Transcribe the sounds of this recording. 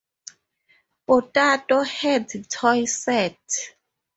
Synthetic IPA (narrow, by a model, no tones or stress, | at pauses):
pɔtʼatʼɔhɛdtʰɔjsɛtʰ